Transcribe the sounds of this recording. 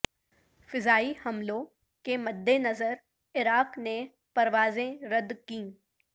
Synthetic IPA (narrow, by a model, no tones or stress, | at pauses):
fɪzaːihɐmlõ | kemɐd̪ʱːenɐzəɾ | ɪɾaːqne | pɐɾʋaːzẽɾɐd̪kĩː